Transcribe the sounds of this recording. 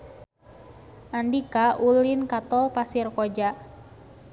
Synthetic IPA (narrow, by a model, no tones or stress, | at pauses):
ʔandikaʔulɪnkat̪ɔlpasɪrkod͡ʒaʔ